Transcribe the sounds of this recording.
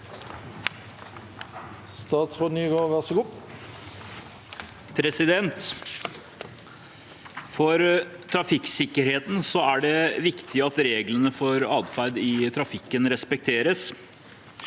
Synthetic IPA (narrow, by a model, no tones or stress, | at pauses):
st̪ɑːt̪sfɔnyːɡoʋæʁsəɡuː | pʰɾɛsɪd̪ɛnt̪ | fɔɾt̪ʰɾɑfɪksɪkːəɾheːt̪n̩sɔæɖɛʋɪkt̪ʰɪɑt̪ɾeːɡlənəfɔɾɑːd̪fæɾd̪ɪt̪ʰɾɑfɪkːənɾɛspɛk̚t̪ʰeːɾəs